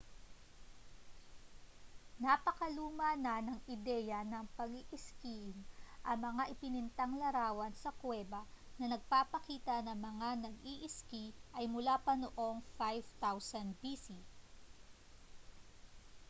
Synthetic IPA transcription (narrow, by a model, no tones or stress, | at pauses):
napɐkɐluːmɐnɐnɐŋʔɪd̪ɛːjɐnɐŋpɐɡiʔɪskinʔɐŋmɐŋaʔɪpɪnɪnt̪ɐŋlɐɾaːwɐnsɐkwɛːbɐnɐnɐɡ̚papɐkiːt̪ɐnɐŋmɐŋanɐɡiʔɪskiʔɐjmʊlaːpɐnoʔo̞ŋfajvt̪awsɐnd̪bisi